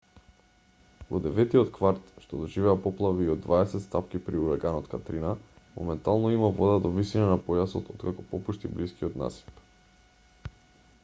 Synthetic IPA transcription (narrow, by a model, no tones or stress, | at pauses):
vod̪ɛvɛt̪iot̪kvaɾt̪ʃt̪ɔd̪ɔʒivɛapɔplˠaviːod̪ːvaɛsɛt̪st̪apkipɾiuɾaɡanɔt̪kat̪ɾina | mɔ̰mɛnt̪alˠnɔimavɔd̪ad̪ovisinanapɔjasɔt̪ot̪kakɔpɔpuʃt̪ibliskiot̪na̰si̥p